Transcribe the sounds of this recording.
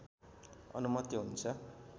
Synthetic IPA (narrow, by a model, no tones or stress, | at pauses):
ʌ̰numʌt̪iɦunt͡sʰʌ